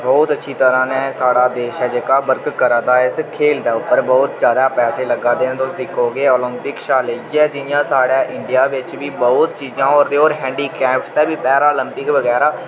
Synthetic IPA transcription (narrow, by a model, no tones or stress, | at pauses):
bɔːt̪ətːʃʰiːt̪əɾãːnɛ̃ːsaːɽaːd̪eːʃɦɛːd͡ʒeːkaːbəɾkkːəɾãːd̪aːɪskʰeːld̪aːʊpːəɾbɔːt̪zjaːd̪aːpɛːseːləɡãːd̪eːnːt̪osd̪ɪkʰːoːɡeːɔːlɪmpɪkʃaːleɛːd͡ʒɪnɪjãːsaːɽaːʔɪ̃ɳɖɪjaːʋɪt͡ʃʋiːbɔːʊt̪t͡ʃiːd͡ʒãːɔːɾd̪eːoːɾɦɛ̃ːɳɖiːkɛ̃ːpst̪ɛːbiːpɛːɾaɔːləmpɪkʋəɡɛːɾaː